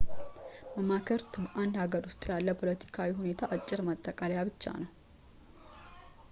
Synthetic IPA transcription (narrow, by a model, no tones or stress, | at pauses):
məmakʰəɾt̪ʰbəʔand̪haɡəɾʊst̪ʼjalːəpʰo̞lət̪ʰi̥kʰawihune̞t̪ʰaʔat͡ʃʼːɪɾmət̪ʼːəkʼaljaβɨt͡ʃːa̰nəw